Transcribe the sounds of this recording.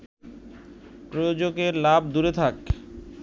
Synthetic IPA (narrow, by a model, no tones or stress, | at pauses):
pɾojod͡ʑoɡeɾlabʱd̪uɾet̪ʰak